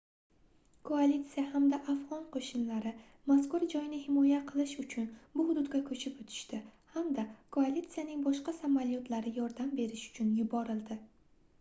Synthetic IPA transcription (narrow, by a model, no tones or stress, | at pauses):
kʰoalʲit̪sɨjahamd̪aʔafʁɒnqʰoʃɪnlaɾɪ | maskʊɾd͡ʒɒjnɪhɪmɒjaqʰɨlˠɪʃʊt͡ʃʰʊnbʊhʊd̪ʊd̪ɡʲakʰɵt͡ʃʰɪpʊt̪ʰɪ̥ʃt̪ɪhamd̪akʰoalʲit̪sɨjanɪŋbɒʃqɑsamaljɒt̪ʰlaɾɪjɒɾd̪ambe̞ɾɪʃʊ̥t͡ʃʰʊnjʊbɒɾɪlˠd̪ɪ